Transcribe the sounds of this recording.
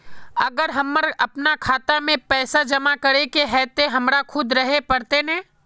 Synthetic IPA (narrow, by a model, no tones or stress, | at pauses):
ɐɡəɾɦɐmːəɾɐpnakʰaːt̪amẽpɛːsad͡ʒɐmakɐɾekeɦɛːt̪eɦɐmɾakʰʊd̪ɾɐɦepɐɾt̪enɛ̃ː